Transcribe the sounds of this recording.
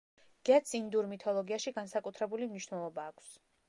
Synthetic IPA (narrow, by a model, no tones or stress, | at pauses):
ɡ̥ɛt̪sind̪uɾmit̪ʰɔlˠɔɡiaʃiɡansakʼut̪ʰɾɛbulimniʃwnɛlˠɔbaːkʷʰs